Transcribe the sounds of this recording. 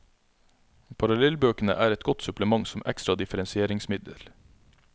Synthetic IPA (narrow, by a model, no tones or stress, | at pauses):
pʰɑɾɑlɛlbøːkən̩ə̰ʔæːɾɛt̪̚ɡɔt̪sʉpləmɑŋsɔmɛ̰kst̪ɾɑd̪ɪfəɾɛnsɪeːɾɪŋsmɪd̪ə̰ɾ